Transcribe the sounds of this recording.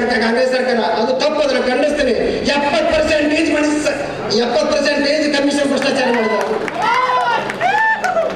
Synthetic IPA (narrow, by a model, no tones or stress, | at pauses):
ɾkaːɾkãːŋɡɾesɐɾkaːɾɐʔɐd̪ut̪ʰɐpːod̪ɾɐkɐɳɖist̪inejɐpːət̪̚pɐɾseɳʈːiːd͡ʒmaɳ | jɐpːət̪̚pɐɾseɳʈeːd͡ʒkɐmiʂɐnpɾuɐst̪aːt͡ʃaɾjamaːɽd̪o